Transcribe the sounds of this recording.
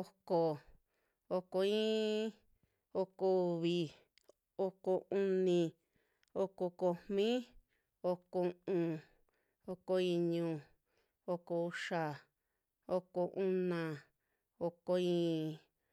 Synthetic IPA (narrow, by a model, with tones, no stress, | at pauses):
o˧ko˧˨ | o˧ko˧ĩː˦ | o˧ko˧βi˧ | o˧ko˧ʔũ˧nĩ˧ | o˧ko˧ko˧mmĩ˦ | o˧ko˧ũ˧ | o˧ko˧ĩ˧ɲũ˧ | o˧ko˧u˧ʂa˧ | o˧ko˧ʔũ˦nã˧ | o˧ko˧ĩ˦˧